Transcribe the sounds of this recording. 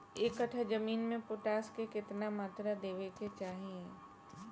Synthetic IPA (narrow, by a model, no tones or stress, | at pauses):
eːkəʈʰəd͡ʒɐmiːnmẽpʊʈaːskekɪt̪namaːt̪ɾad̪eːʋeket͡ʃaːɦiẽ